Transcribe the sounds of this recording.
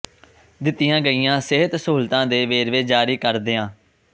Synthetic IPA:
d̪ɪt̪ːɪjãːɡəiːãːsɪɦət̪suːlt̪ãːd̪eːʋeːɾʋeːd͡ʒaːɾiːkəɾd̪eːãː

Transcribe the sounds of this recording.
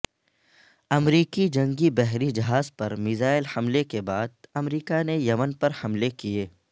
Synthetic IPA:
ɐmɾiːkid͡ʒɐ̃ŋɡibɛɦɾid͡ʒɐɦaːzpɐɾmɪzaːɪlhɐmlekebaːd̪̚ɐmɾiːkanejɐmənpɐɾhɐmlekieː

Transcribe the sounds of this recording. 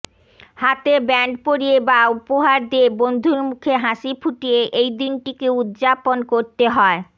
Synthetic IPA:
hat̪ebɛɳɖpoɾiebaupoɦaɾd̪iebond̪ʱuɾmukʰeɦaʃipʰuʈieʔejd̪inʈikeud̪d͡ʑaponkoɾt̪eɦɔe

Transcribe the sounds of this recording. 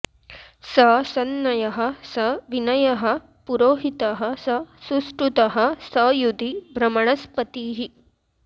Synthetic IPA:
sɐsɐnːɐjɐɦɐ̆sɐʋinɐjɐɦɐ̆ | puɾoːɦit̪ɐɦɐsɐsusʈɾut̪ɐɦɐ̆sɐjud̪ʱibʱɾɐmɐɳɐspɐt̪iːɦi

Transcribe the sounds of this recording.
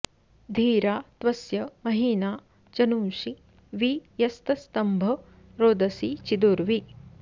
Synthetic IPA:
d̪ʱiːɾaːt̪ʋɐsjɐmɐɦiːnaː | t͡ʃɐnuːʂi | ʋijɐst̪ɐst̪ɐmbʱɐ | ɾoːd̪ɐsit͡ʃid̪uɾʋi

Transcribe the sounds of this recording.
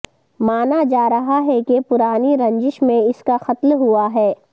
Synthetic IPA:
maːnad͡ʒaːɾɐɦaɦɛkepʊɾaːniɾɐ̃ɲd͡ʒɪʃmẽɪskaxɐt̪lɦuaɦɛː

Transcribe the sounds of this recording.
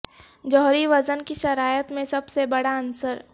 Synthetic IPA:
d͡ʒɔɦɾiʋɐzənkiʃɐɾaːjət̪mẽsɐbsebɐɽaɐnsəɾ

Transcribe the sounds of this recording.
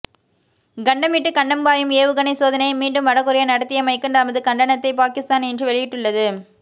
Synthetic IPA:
ɡɐɳɖɐmiʈːɯkɐɳɖɐmbaːjɯmeːʋɯɣɐnɐɪsoːðɐnɐɪmiːɳɖɯmʋɐɽɐkːɯɾɐjɐnɐɽɐt̪ːɪjɐmɐɪkːɯɳdɐːmɐðɯkɐɳɖɐnɐt̪ːɐɪpaːkɪst̪aːnɛndrɯʋɛɭɪjɪʈːɯɭːɐðɯ

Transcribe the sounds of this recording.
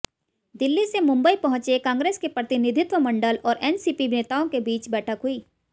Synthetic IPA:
d̪ɪlːisemʊ̃mbəipɐɦʊ̃t͡ʃekãːŋɡɾeːskepɾɐt̪ɪnɪd̪ʱɪt̪wəmɐ̃ɳɖəlɔːɾʔɛːnsiːpineːt̪aõkebiːt͡ʃbɛːʈʰəkɦuiː

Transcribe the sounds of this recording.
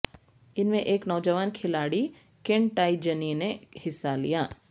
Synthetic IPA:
ɪnmẽʔeːknɔːd͡ʒəʋaːnkʰɪlaːɽi | kɪ̃ɳʈaːid͡ʒɐninehɪsːalḭjaː

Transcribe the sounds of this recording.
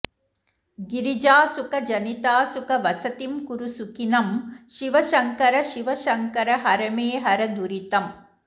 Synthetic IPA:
ɡiɾid͡ʒaːsukɐd͡ʒɐnit̪aːsukɐʋɐsɐt̪imkuɾusukinɐmʃiʋɐʃɐŋkɐɾɐʃiʋɐʃɐŋkɐɾɐɦɐɾɐmeːɦɐɾɐd̪uɾit̪ɐm

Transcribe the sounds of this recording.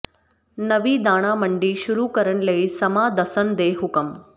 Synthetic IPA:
nɐʋiːd̪aːɽ̃aːməɳɖiːʃuɾuːkəɾəɳləisɐmaːd̪ɐsənd̪eːɦʊkəm

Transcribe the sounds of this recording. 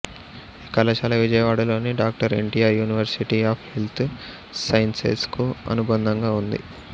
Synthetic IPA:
kɐlɐt͡ʃaːlɐʋid͡ʒɐjɐʋaːɽɐlo̞ːniɖaːk̚ʈɐɾeɳʈijaːɾjuːniʋɐɾsiʈiaːpʰhelt̪ʰ | sɐjnsḛskuɐ̰nubɐnd̪ʱɐŋɡaːund̪ḭ

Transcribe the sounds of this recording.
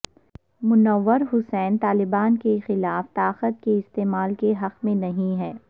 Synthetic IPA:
mʊnəʋːəɾɦʊsɛːnt̪aːlɪbaːnkexɪlaːft̪aːqət̪̚keɪst̪eːmaːlkeɦɐqmẽnɐɦĩɦɛː

